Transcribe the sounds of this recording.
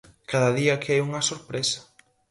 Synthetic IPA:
kaðɐðiɐkajuŋɐsoɾpɾesɐ̥

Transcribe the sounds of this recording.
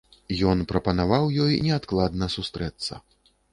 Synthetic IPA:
jɔnpɾɐpɐnavawjɔjnʲɛat̪klˠad̪nɐsust̪ɾɛt̪sːɐ̰

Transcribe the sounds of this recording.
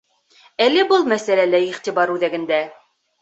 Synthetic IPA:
ælːɘbɤlˠmæsælælæiχt̪iβɑɾʉðæɡɘ̆nd̪æ

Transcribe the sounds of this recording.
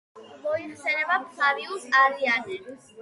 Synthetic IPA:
mɔiχsɛnɛbamsaɾiusaɾianɛ

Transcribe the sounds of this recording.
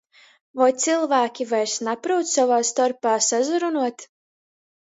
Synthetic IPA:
vɔjt̪silˠvæːkʲivajɾsnapɾuwt̪savaːst̪ɔɾpaːsazuɾunuɔt̪

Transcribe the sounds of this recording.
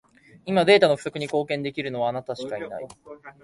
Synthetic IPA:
imad̪e̞ːt̪ano̞ɸɯ̟sokɯ̟ɲ̟iko̞ːkẽ̞nd̪e̞kʲiɾɯ̟no̞βaːnat̪aɕi̥kaina̰i

